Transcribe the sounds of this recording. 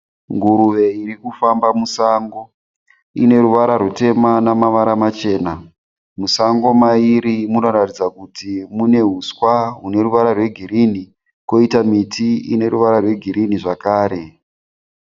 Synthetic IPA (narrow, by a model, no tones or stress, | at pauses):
ŋɡuɾuʋe̞iɾikufambamusaːŋɡo̞ | ine̞ɾuʋaɾarute̞manamaʋaɾamat͡ʃe̞ːna | musaŋɡo̞maiɾimuno̞ratid͡zakutimune̞ɦuskwaɦune̞ɾuʋaɾarwe̞ɡʱiɾini | ko̞itamitiḭne̞ɾuʋaɾarwe̞ɡʱiɾiniʐakaːɾe̞